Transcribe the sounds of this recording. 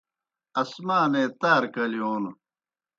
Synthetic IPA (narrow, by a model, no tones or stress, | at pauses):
ɐsmaːneːt̪aːɾkɐlijoːn